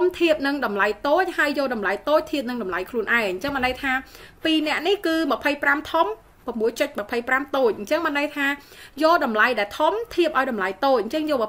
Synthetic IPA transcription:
mt̪ʰiəp̚nɨŋɗɑmlajt̪oːc̚haəjːɔːɗɑmlajt̪oːc̚t̪ʰiəp̚nɨŋɗɑmlajkʰluənʔaɛŋɲt͡ɕəŋmənɗəjt̪ʰaːpiːnɛ̆əʔnihkɨːmə̆pʰəjpramt̪ʰum | pəmːuəjt͡ɕəc̚mə̆pʰəjpramt̪oːc̚ɲt͡ɕəŋmənɗəjt̪ʰaː | joːɗɑmlajɗaɛlt̪ʰumt̪ʰiəp̚ʔaɔjɗɑmlajt̪oːc̚ʔɲt͡ɕəŋjɔː

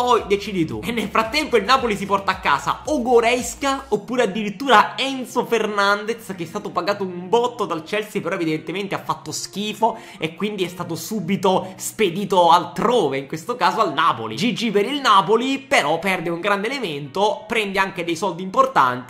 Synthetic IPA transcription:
pɔjd̪et͡ʃiːd̪it̪ṵenːelfɾat̪ːɛmpoilnaːpolisipɔrt̪aːkːa̰ːza̰oɡoɾɛskaopːuːɾead̪ːiɾit̪ːuːɾaɛnsofernand̪et̪sk̟eɛst̪aːt̪opaɡaːt̪oumbɔt̪ːod̪alt͡ʃɛlsipeɾɔevid̪ent̪ement̪eafːat̪ːosk̟iːfo | ekːwind̪iɛst̪aːt̪osuːbit̪osped̪iːt̪oalt̪ɾoːveiŋkwest̪okaːzoalnaːpo̰lḭd͡ʒid͡ʒipeɾilnaːpolipeɾɔpːɛrd̪euŋɡɾand̪element̪opɾɛnd̪eaŋk̟ed̪ejsɔld̪import̪a̰nt̪i

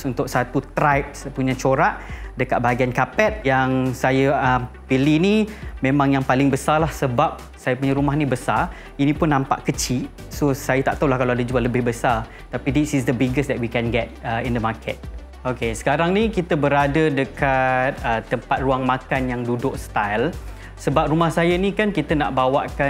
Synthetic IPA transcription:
sunt̪ʊk̚sat̪ut̪ɾajp̚spuɲãt͡ʃoɾaʔdəkat̪̚baɡiankapɛt̪̚jaŋsajaəmpilinimẽmãŋjaŋpalɪŋbəsalahsəbap̚ | sajapuɲãɾumaɦnĩbəsar | inĩpʊnːãmpa̰ʔkət͡ʃi | sosajat̪a̰ʔt̪awlahkalaadad͡ʒualəbɪhbəsar | t̪apidisisd̪əbiɡəsdɛt̚wikɛnɡɛt̚əindəmakʰət̪̚ | okesə̥kaɾaŋnĩkit̪əbəɾadədəkat̪̚ət̪ːəmpat̪̚ruaŋmãkanjaŋdudʊk̚st̪ajl | səbap̚rumahsajanikankit̪əna̰ʔbawa̰ʔka

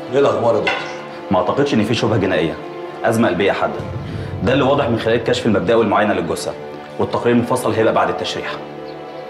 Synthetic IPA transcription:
ʔelʔæxbɑːɾˤd̪okt̪ɾ | mʔʕt̪ɑqed̪ʃʔenːfiːʃobhæɡenæːʔejːæ̰ | ʔæzmæʔælbejːæħad̪ːæd̪ælːiwɑːd̪ˤeħmenxelæːlekːæːʃfelmæb̚d̪æːʔwelmoʕajːænæleɡosʔæ̰ | wet̪ːæqɾiːɾmofɑsˤːɑlɦejlæʔbaʕd̪et̪ːæʃɾḭːħ

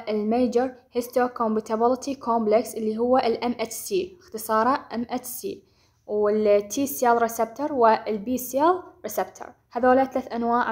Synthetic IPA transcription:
ʔɪlmeːd͡ʒɪɾˤhɪst̪okombɪt̪abɪlɪt̪ʰikʰoːmblɛksʔɪlːiɦʊwːaʔɪlʔamʔɛt͡ʃsiːɪxt̪ɨsˤɑːɾˤɑʔɪmʔɛt͡ʃsḭː | wɪlt̪ʰːiːsjɛlɾɪsɛb̚t̪əɾˤwɪlbiːsjalɾɪsɛbt̪ʰə̰ɾˤhaðoːlaθalaːθʔanwaːʕ

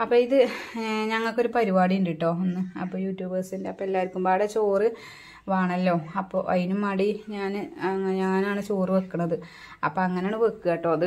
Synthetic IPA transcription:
ɐpːoːiðɨɲɐŋːɐɭkːo̞ɾupɐɾibaːɽiinɖiʈːo̞ːenːɨɐ̰pːoːjuːtjuːbɐːsindeɐpːoelːaːjiɾkʲːumbaːɽet͡ɕoːrɨ | ʋaːɳɐlːo̞ːɐpːo̰ːʔɐjnumaːɽiɲaːnɲaːnaːɳɨt͡ɕoːriʋekːɨɳɐðɨ | ɐpːoːɐŋːɐneaːɳɨʋekːɨɣeːʈːo̞ːðɨ

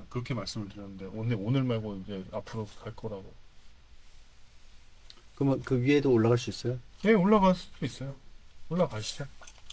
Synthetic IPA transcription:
kɯɾʌkʰemaɭs͈ɯmɯɭtɯɾjʌnɯnde̞ʔoneonɯɭmaɭɡoid͡ʑe̞apʰɯɾokaɭk͈ʌɾaɡo | kɯmʌnkɯɥie̞doːɭːaɣaɭs̬͈uis͈ʌjoje̞oɭːaɡas͈udois͈ʌjooɭːaɡaɕʰide

